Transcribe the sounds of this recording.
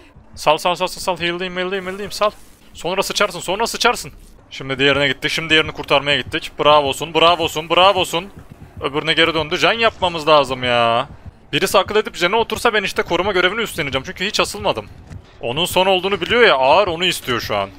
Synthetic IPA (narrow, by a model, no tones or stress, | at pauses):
salˠsalˠsalˠsɯnsalˠɦɯjɯlˠːɯimilʲːˠɯimilʲːijimsalˠ | so̞nɾasɯt͡ʃʰaɾsɯnso̞nɾasɯt͡ʃʰaɾsɯn | ʃimd̪id̪ijeɾinɛɟit̪ːicʃimd̪ije̞ɾinikʰuɾt̪ʰaɾmajaɟit̪ʰːicbɯɾaːvo̞sunbɯɾaːvo̞sunbɯɾaːvo̞sunøbyɾnɛɟe̞ɾɛd̪ønd̪uʒænjap̚mamɯzlʲˠaːzɯmjaːbiɾisiakɯlˠe̞d̪ipʒenio̞t̪uɾsabæniʃt̪ɛkʰo̞ɾumaɟø̞ɾeviniyst̪enid͡ʒɛmt͡ʃʰyɲcyhit͡ʃhasɯlˠmad̪ɯm | o̞̰nunso̞no̞lˠd̪uːnubilʲijo̞jaʔaːɯɾo̞nuist̪ʰijo̞ʃua̰n